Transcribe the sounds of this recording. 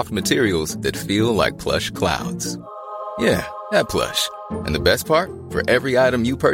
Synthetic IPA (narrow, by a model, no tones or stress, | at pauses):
ft̚mɨtʰɪɹil̩ˠzðɨtfilˠla̰ɪk̚pʰl̥ʌ̰ʃkʰl̥a̰ʊdz̥ | jæ | ðɨt̚pʰl̥ʌ̰ʃ | ʔɨ̰̃nðɨbɛs̚pʰɑɹt̚ | fə̰˞ʔɛvɹiaɪɾɨ̃mjɨpʰɜ˞